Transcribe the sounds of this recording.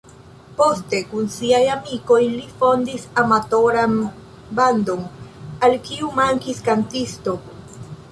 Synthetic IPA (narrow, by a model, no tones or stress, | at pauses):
post̪ekunsiajamikoilifond̪isamat̪oɾam | band̪oŋalkiumaŋkiskant̪ist̪ok